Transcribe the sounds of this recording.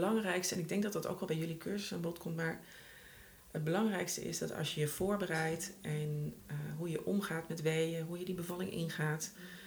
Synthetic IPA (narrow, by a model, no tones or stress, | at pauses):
lɑŋrɛjkstəɛnɪɡ̚dɛŋɡ̚dɑtdɑto̰wkɑlˠbɛjɵlikʰøɹzəsaːnmbɔtkɔmtmaːɹ | həd̚bəlɑŋrɛjkstə̰ɪ̰sdɑtɑ̰lˠʃjəjəv̥ʊːɹbərɛjtʔɛnɦujəʔɔmχaːtmɛtʋejəɦujədibəvɑlɪŋʔɪ̰nχaːt